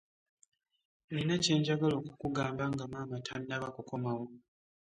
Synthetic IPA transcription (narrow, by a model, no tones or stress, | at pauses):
einace̞ːɲɟaɡalo̞ːkukuɡaːmbaŋɡamaːmatʰaninaβakuko̞mawo